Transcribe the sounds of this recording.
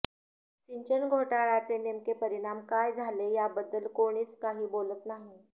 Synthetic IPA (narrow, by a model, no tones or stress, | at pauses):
siɲt͡ɕənɡʱoʈaɭat͡senemkepəɾiɽ̃amkajd͡zʱalejabəd̪ːəlkoɽ̃iːskaɦiːbolət̪naɦi